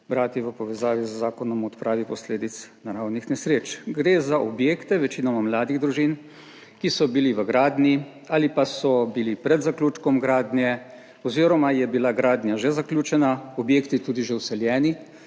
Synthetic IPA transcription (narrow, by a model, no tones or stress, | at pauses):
bɾaːt̪jɛʋəpɔʋɛzaːʋizəːaːkɔnɔmɔt̪pɾaːʋipɔsleːd̪it̪snaɾawnixnɛsɾeːt͡ʃɡɾeːzaʔɔbjeːkt̪ɛʋɛt͡ʃiːnɔmamlaːd̪iɣd̪ɾuʒiːn | kisɔbiliʋəɡɾaːd̪ni | aːlipasɔbilipɾɛd̪zaklʲuːt͡ʃkɔmɡɾaːd̪njɛ | ɔziːɾɔmajɛbilaɡɾaːd̪nʲjaʒɛzaklʲuːt͡ʃɛnaɔbjeːkt̪it̪uːd̪iʒɛwsɛljɛːni